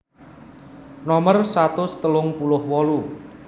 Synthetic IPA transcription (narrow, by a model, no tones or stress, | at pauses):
nɔmərsat̪ʊst̪əlʊŋpulʊhwɔlu